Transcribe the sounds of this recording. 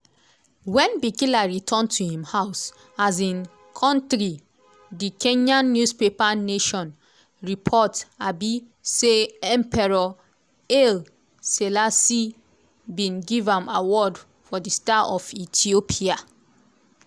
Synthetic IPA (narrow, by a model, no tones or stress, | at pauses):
wɛ̃nbikilaɹitʰɔ̃ntʰuhĩmhaʊs | azĩn | kʰɔ̃ntɾi | dikẽɲãnːjuspepaneʃɔ̃n | ɹipʰɔtabi | seɛ̃mpʰɛɹɔ | el | selasi | bĩnɡivãmawɔd | fɔdistaʔɔfitʰiopʰia